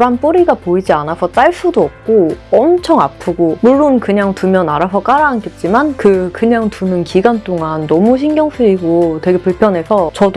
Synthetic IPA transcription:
ɾanp͈oɾiɡapoid͡ʑianasʰʌt͈aɭsʰudoʌp̚k͈oʌmt͡ɕʰʌŋa̰pʰɯɡomuɭːonkɯɲaŋtumjʌnaɾasʰʌk͈aɾaɦːnket̚t͡ɕ͈imankɯkɯɲaŋtunɯnkiɡant͈oŋanːʌmuɕ̬ʰinɡjʌŋsʰuiɡotwe̞ɡe̞puɭpʰjʌnɦe̞sʰʌt͡ɕʌdo

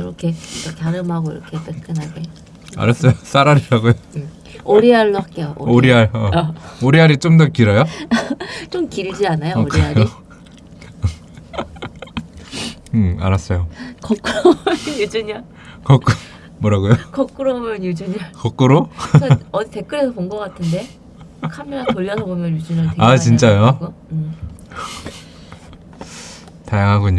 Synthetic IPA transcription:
ɾokʰekekjaɾɯmɦaɡoiɾʌkʰet͈ek͈ʰɯnɦaɡe̞ | a̰ɾas͈ʌjos͈ʰaɾaɾiɾaɡojoɯ | oɾiaɭːoak͈eoʔo̰oɾiaɭʌoɾiaɾit͡ɕomdʌkiɾʌjo | t͡ɕomkiɭd͡ʑianajooɾkʰieaɾi | a̰ɾas͈ʌjokʌk͈ɾojud͡ʑuɲa | kʌkk͈u | mwʌɾaɡujokʌk͈ɯɾobomjʌnjud͡ʑuɲikʌk͈uɾoaʌite̞k͈ɯɾe̞sʰʌponɡʌk͈atʰɯnde̞ | kʰamiɾatoʎːʌsʰʌbomjʌnjud͡ʑuɲateat͡ɕint͡ɕ͈ajo | tajaŋɦaɡuɲo

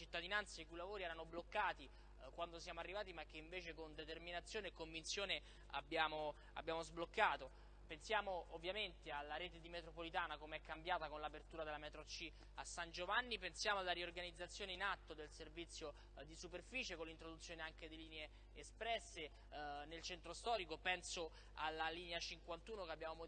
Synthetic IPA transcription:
t͡ʃit̪ːad̪inant̪sːaikujlːavoːɾiɛːɾanoblokːaːt̪i | kwand̪osjaːmoarːivaːt̪imak̟ːeiɱveːt͡ʃekond̪et̪erminat̪sjoːnekːoɱvintsjoːne | a̰bːjaːmo | a̰bjaːmozblokːaːt̪o | pensjaːmoːvːjament̪ealːaɾeːt̪ed̪imet̪ɾopolit̪aːnakomeɛkːambjaːt̪akonlapert̪uːɾad̪elamɛt̪ɾot͡ʃːi | asːand͡ʒovanːipensjaːmoalːaɾiorɡanid̪zːat̪sːjoːneinat̪ːod̪elservit̪sːjo | d̪isuperfiːt͡ʃekonlːint̪ɾod̪ut̪sjoːneaŋk̟ed̪iliːneeː | spɾɛsːe | nelt͡ʃɛnt̪ɾost̪ɔːɾikopɛnso | alːaliːneat͡ʃiŋkwant̪uːnokeabːjaːmomo

